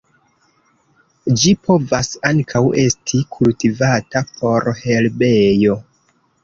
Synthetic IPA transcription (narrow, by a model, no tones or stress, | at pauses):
d͡ʒipʰo̞vasaŋkʰawʔe̞stʰikʰultivatapʰo̞ɾhe̞lbe̞jo̞